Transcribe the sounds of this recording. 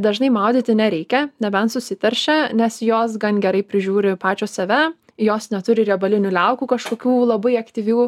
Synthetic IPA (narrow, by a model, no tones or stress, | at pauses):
d̪ɐʒnɐɪmɑʊd̪ʲiːt̪ʲɪnʲɛɾʲɛɪkʲɛnʲɛbʲɛnsʊsʲɪt̪ʲɛɾʲʃʲɛnʲɛsjoːsɡɐnɡʲɛɾɐɪpʲɾʲɪʒʲuːɾʲɪpɑːt͡ʃʲoːsɐʋʲɛ | joːsnʲɛt̪ʊɾʲɪɾʲɛbɐlʲɪnʲʊlʲɛʊkuːkɐʃkoːkʲuːlˠɐbɐɪɐkt̪ʲiʋʲuː